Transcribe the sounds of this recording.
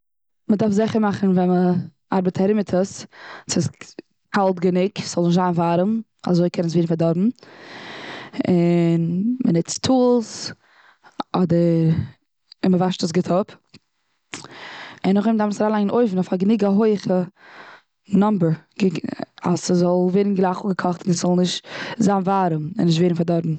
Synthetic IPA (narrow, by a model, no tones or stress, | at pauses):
mədaɾfzɪχəɾmaχn̩vɛnmə | a̰ɾbətʰaɾɪmɪtʰəssɪs | kʰalˠtɡənɪksz̥ɔlˠnɪʃzaːnvaɾəm | a̰zoɪkʰɛnnsviːɾnfaɾdɔɾbm̩ | ɪnmənɪt͡stʰuːlˠs | ɔdəɾ | ɪnməvaʃtəsɡɪtʰʊp | ɪnːʊχɪmdafnsɾaːlˠaɪŋnʔoɪfn̩ɔfaɡənɪɡəɦoɪχə | nɔmbəɹɡɪa̰səzɔlˠveːɾn̩ɡlˠaːχʊɡəkʰɔχtnsz̥ɔlˠnɪʃtzaːnvaɾəmɪ̰nːɪʃ̬tveːɾn̩faɾdɔɾbm̩